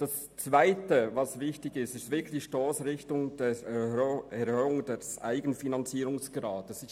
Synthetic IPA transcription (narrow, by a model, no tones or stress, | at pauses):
d̥ɑs | t͡svaɪtəvɑsvɪçtɪçɪstɪstvɪkʰlɪiʃtoːsɾɪçtʊŋd̥ɛ | ɛɾhøːʊŋd̥ɛsʔa̰ɪɡənfinɑnt͡siːɾʊŋsɡ̥ɾɑːtəsɪs